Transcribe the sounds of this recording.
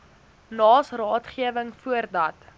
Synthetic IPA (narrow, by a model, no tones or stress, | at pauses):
nɑːsrɑːtχiəvəŋfuərdɐt